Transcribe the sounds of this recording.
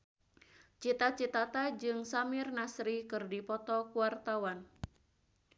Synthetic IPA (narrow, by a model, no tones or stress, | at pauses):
t͡ʃit̪at͡ʃit̪at̪ad͡ʒɨŋsamɪrnasɾikɨrdipɔt̪ɔkuwart̪awan